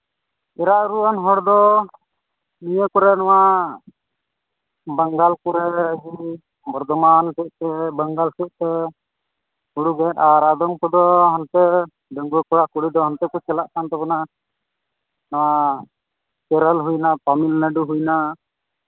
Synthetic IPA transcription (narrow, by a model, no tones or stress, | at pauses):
ɛɾaʔɾuanɦɔɽd̪ɔ | nijəkɔɾɛnɔwaʔ | bəŋɡalkuɾɛd͡ʒi | bɔɾd̪ɔmansuʔ̚t̪ɛbəŋɡalsuʔ̚t̪ɛ | huɽuɡɛt̪aɾad̪ɔŋkɔd̪ɔɦant̪ɛ | ɖəŋɡɔkɔɽaʔkuɽid̪ɔɦɔnt̪ɛkɔt͡ʃɛlaʔkant̪ɛpɔna | nawa | t͡ʃɛɾəlɦujnapamilnəɖuɦujna